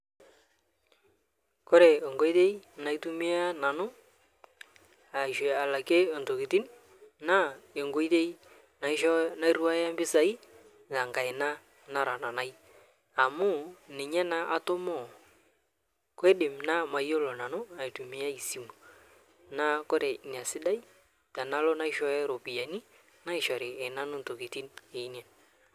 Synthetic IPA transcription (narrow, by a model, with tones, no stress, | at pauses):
ko˦ɾe˨ɔ˨ŋɡo˦i˦te˦jna˨i˦tu˦mi˦a˦na˨nʊ˦ | a˨i˨ʃwe˨a˨la˨ke˦ɔ˨nto˨ki˨ti˦n | na˦e˨ŋɡo˦i˦te˦j | na˨i˦ʃɔ˦na˦i˦ɾu˦a˦ja˦mbɪ˦sa˨i˦ | za˨ŋɡa˨ɪ˨na˦ | na˦ɾa˨na˨na˦j | a˨mʊ˦nɪ˨ɲɛ˦na˦ʔa˦to˦mɔ˦˨ | ke˦dɪ˨mna˦ma˨jo˦lɔ˨na˨no˦a˨i˨tu˨mi˨ja˦i˨si˦mu˨ | na˦ko˦ɾe˨ɲ˨a˨sɪ˦da˦i˦ | ta˨na˦lɔ˦na˦i˦ʃɔ˦ɛ˦ɾo˨pi˨ja˨ni˦ | na˦ɪ˨ʃɔ˨ɾɪː˨na˦no˦nto˨ki˨ti˦ne˨i˦njɛ˨n